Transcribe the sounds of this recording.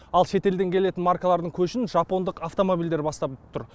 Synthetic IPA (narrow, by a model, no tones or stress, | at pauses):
ɑlˠʃe̞t̪e̞ld̪e̞ŋkʲʰe̞le̞t̪ɪnmɑɾkɑlˠɑɾd̪əɴkʲʰɵʃɪnʒɑpo̞nd̪əqaft̪o̞mo̞bild̪eɾbɑst̪ɑpt̪ʰʊɾ